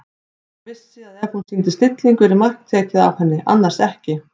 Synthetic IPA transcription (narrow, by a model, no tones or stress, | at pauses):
vɪsːɪaðɛv̥hunsint̪ɪ̥st̪ɪt̪liŋkʏɾɪmar̥kt̪ʰɛːcɪða̰v̥hɛnːɪʔa̰nːaɾ̥r̥ɛhcɪ